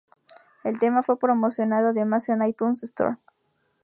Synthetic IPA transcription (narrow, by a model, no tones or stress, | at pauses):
e̞lt̪e̞mafwe̞pɾo̞mo̞sjo̞naðoðemasonajt̪unsest̪o̰ɾ